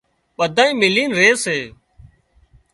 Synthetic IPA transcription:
ɓəd̪ʱãːĩːmɪliːnɾeːseː

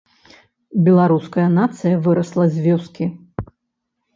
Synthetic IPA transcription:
bʲɛlˠaɾuskɐjɐnat̪sɨjɐvɨɾɐslˠɐzʲvʲɔskʲi

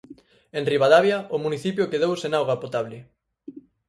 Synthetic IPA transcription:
enriβaðaβjaʔʊmuniθipjokeðowsenawɣapot̪aβlɪ

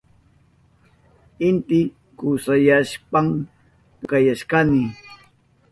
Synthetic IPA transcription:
ɪnt̪ɪ | kʊsajaʃpam | kɑjaʃkanɪ

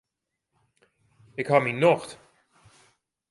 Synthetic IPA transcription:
ɪkhaːminːɔxt̪

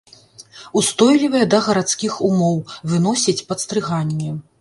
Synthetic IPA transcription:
ust̪ɔjlʲivɐjɛd̪ɐɣɐɾat̪skʲixumɔwvɨn̪ɔsʲit͡sʲpɐt̪st̪ɾɨɣanʲːɛ

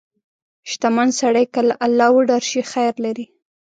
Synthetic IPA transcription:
ʃt̪amansaɽajkalaʔalːɑwəɖaɾʃixajɾlaɾi

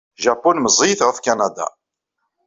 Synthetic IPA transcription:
ʒapːunməzˤijθʁəfkanad̪a̰

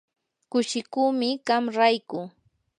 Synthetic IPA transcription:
kʊʃɪkuːmɪɢamɾajkʊ

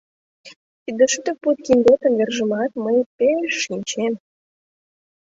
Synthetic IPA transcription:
t̪id̪ə̆ʃyt̪ə̆k̚put̪̚kind̪ot̪ə̆mverʒə̆mɑt̪məjpeʃːinʲt͡ɕem

